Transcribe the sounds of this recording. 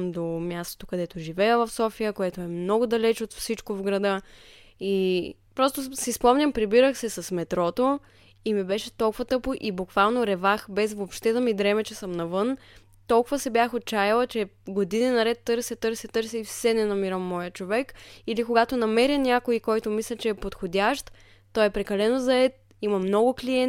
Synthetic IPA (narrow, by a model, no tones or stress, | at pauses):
md̪omʲjast̪o̥t̪okɐd̪ɛt̪oʒivɛjəvɐfsɔfijəkoɛt̪oɛmnɔɡʊd̪ɐlɛt͡ʃot̪fsit͡ʃkovɡɾɐd̪ɤ | i | pɾɔst̪osispɔmnʲɐmpɾibiɾəxsɛsɐsmɛt̪ɾɔt̪o | imibɛʃɛt̪ɔlˠkʊvɐt̪ɤpoʔibʊkvalˠnoɾɛvaxbɛsvopʃt̪ɛd̪ɐmid̪ɾɛmɛt͡ʃɛsəmnɐvɤn | t̪ɔlˠkʊvɐsɛbʲjaxot̪̚t͡ʃajɐlˠət͡ʃɛɡod̪ininɐɾɛt̪ːɤɾsɛt̪ɤɾsʲɛt̪ɤɾsɛifsɛnɛnɐmiɾəmːɔjət͡ʃovɛkilikoɡat̪onɐmɛɾənʲakoikɔjt̪omislʲɐt͡ʃɛːpot̪xodʲaʃt̪ː | ɔjɛpɾɛkɐlɛnozɐɛt̪̚ | imɐmnɔɡʊkliɛ